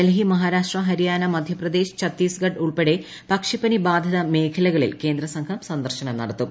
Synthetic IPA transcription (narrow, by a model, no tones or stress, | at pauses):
elɦimɐɦaːɾaːʂʈrɐɦɐɾijaːnɐmɐd̪ʱjɐprɐd̪eːɕt͡ɕʰɐt̪ːiːsɡɐɖuɭpeɽe | pɐkʂipɐnibaːd̪ʱɐðɐme̞ːkʰɐlɐɣɐɭḭlke̞ːnd̪ɾɐsɐŋkʰɐmsɐnd̪ɐrɕɐnɐmnɐɽɐt̪ːu